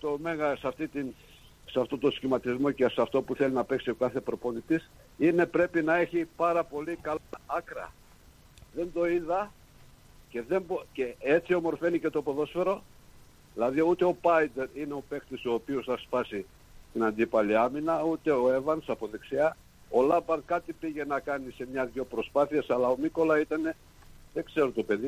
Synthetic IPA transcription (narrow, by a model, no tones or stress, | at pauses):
t̪o̞me̞ɣɐsɐft̪it̪in | sɐft̪o̞t̪oskcimɐt̪izmo̞cesɐft̪o̞puθelinɐpe̞ksio̞kɐθe̞pɾo̞po̞nit̪is | ine̞pɾe̞pinɐe̞çipɐɾɐpo̞likɐlɐkɾɐ̰ | ðe̞nd̪o̞iðɐ | ce̞ðe̞mboceet͡sio̞mo̞ɾfe̞nice̞t̪o̞po̞ðo̞sfe̞ɾo̞ | ðilɐðiut̪eo̞pɐjd̪e̞ɾineo̞pe̞kt̪iso̞ːpiosθɐspɐsi | t̪inɐnd̪ipɐliɐminɐut̪e̞o̞e̞vɐnsɐpo̞ðeksiɐ | o̞lɐbɐnkɐt̪ipiʝe̞nɐkɐnise̞mɲɐðʝo̞pɾo̞spɐθiesɐlɐo̞miko̞lɐit̪ɐne̞ | ðe̞kse̞ɾot̪o̞pe̞ði